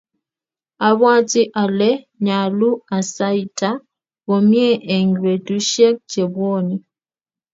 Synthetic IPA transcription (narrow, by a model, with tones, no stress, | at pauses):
a˨βwa˦ti˦ʔa˨le˦ | ɲa˨lu˦a˨sa˦i˨tʰa˦ | ɣo˨mje˦ʔe˨ŋɡɾe˨tu˦ʃe˦k̚d͡ʒe˨βwoː˦˨ni˨